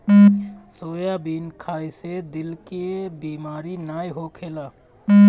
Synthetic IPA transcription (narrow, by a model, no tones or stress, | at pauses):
soːjabiːnkʰaːjsed̪ɪlkebiːmaːɾinaːjɦokʰeːlaː